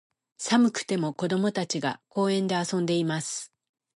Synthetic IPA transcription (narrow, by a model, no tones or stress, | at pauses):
samɯ̟kɯ̟̥t̪e̞mo̞ko̞d̪o̞mo̞t̪at͡ɕiɡa̰ko̞ːẽ̞nd̪e̞asõ̞nd̪e̞imasɨ̥